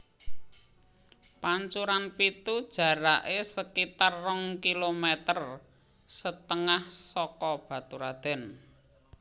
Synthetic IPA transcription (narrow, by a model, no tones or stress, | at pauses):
paɲt͡ʃuɾanpit̪ud̥ʒ̥ä̤ɾaʔesəkit̪arːɔŋkilomet̪ər | sət̪əŋahsɔkɔb̥a̤t̪uɾad̪̥ɛ̤n